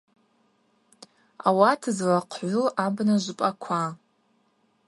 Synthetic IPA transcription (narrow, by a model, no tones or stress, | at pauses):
a̰watʰɨzwaqʷʰħʷʊlabnaʒʷɨpʼakʷʰa